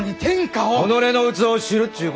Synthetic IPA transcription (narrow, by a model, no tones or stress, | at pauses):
ɲit̪ʰẽ̞ŋkaoono̞ɾe̞no̞ɯ̟t͡sɨo̞ɕiɾɯ̟t̪ːɯk